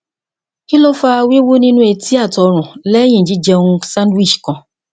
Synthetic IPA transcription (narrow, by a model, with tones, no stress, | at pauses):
i˦lo˦fa˦˧wi˦wo˦nĩ˦nũ˦e˧ti˦a˦˨tɔ˧ɾ̃ũ˨lɛ˦j̃ĩ˦˨d͡ʒi˨˦d͡ʒɛ˧ũ˧sã˦ndwi˦˨ʃkã˧